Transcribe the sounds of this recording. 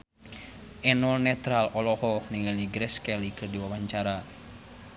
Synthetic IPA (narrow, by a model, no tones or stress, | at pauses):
ʔɛnɔlnɛt̪ɾalɔlɔhɔniŋaliɡɾɛskɛlikɨrdiwawaɲt͡ʃaɾa